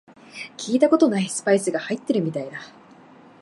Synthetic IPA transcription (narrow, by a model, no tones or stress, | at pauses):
kʲʰiːt̪ako̞t̪o̞naisɨ̥paisɨɡahait̪ːeɾɯ̟mʲit̪aid̪a